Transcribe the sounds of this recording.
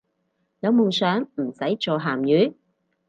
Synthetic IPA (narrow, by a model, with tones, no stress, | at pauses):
jɐ˨˧wmo˨wsœː˨˥ŋm̩˨˩sɐ˨˥jt͡ʃɔː˨˧ɦaː˨mjyː˨˥